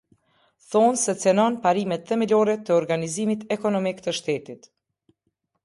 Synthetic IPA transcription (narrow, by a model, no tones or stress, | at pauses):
θɔnsɛt͡sɛnɔnpaɾimɛt̪fɛmilɔɾɛt̪əɔɾɡanizimit̪ɛkɔnɔmikt̪əʃt̪ɛt̪it̪